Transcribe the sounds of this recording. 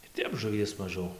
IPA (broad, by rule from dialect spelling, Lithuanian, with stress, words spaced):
ɪr ˈtʲɛp ʒʊˈʋʲiɛs mɐˈʒʲɛʊ